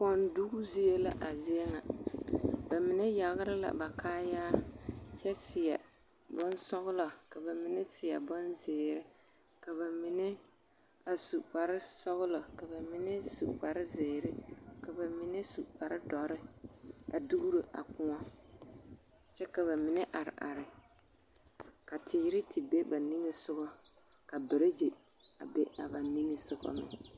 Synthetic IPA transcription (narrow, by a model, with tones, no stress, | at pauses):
pɔ˦ndu˦ɡu˦zi˦e˦la̰˦ʔa˨zɪ˦e˦ŋa˨ | ba˨mɪ˨nɪ˦ja˨ɣɪ˦ɾɪ˦la̰˨ba˨kaː˦jaː˦jɛ˦sɪ˨jɛ˨ | bɔ˦n˦sɔ˦ɣʊ˦lɔ˨ka˨ba˨mɪ˦nɪ˦sɪ˨ja̰˨bɔ˦nzɪː˨ɾɪ˦ | ka˨ba˨mi˨nɪ˦ | a˨su˨k͡pa˨ɾɪ˦sɔ˦ɣʊ˦lɔ˨ka˨ba˨mɪ˦nɪ˦su˨k͡pa˨ɾɪ˦zɪː˨ɾɪ˦ka˨ba˨mɪ˦nɛ˦su˨k͡pa˨ɾɪ˦dɔ˨ɾɪ˦a̰˨du˦ɡu˦ɾo˨ʔa̰˨kʊ˦ŋɔ˦˨ | t͡ʃɛ˦ka˨βa˨mɪ˦nɛ˦ʔa˨ɾɪ̰˨ʔa̰˨ɾɪ˨ | ka˨tʰiː˨ɾɪ˦tʰɪ˨be˦ba˨ni˦ŋe˦sʊ˦ɣɔ˦ka˨bɪ˨ɾɪ˦d͡ʒe˨a̰˨be˦a˨ba˨ni˦ŋe˦sʊ˦ɣɔ̰˦mɪ̰˨